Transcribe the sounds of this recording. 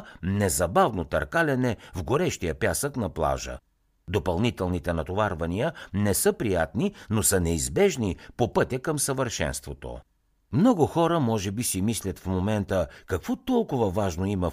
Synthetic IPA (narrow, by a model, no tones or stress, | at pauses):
nɛzɐbavnot̪ɐɾkalʲɛnɛvɡoɾɛʃt̪ijəpjasəknɐplˠa̰ʒə̰ | d̪opɐlˠnit̪ɛlˠnit̪ɛnɐt̪ovaɾvɐnijənɛsɤpɾijat̪ninosənɛizbɛʒnipopɤt̪ʲəkəmsəvəɾʃɛ̰nst̪vot̪o̰ | mnɔɡʊxɔɾəmɔʒɛbisimislʲɐt̪fmomɛnt̪əkɐkvɔt̪ɔlˠkʊvɐvaʒnoimɐ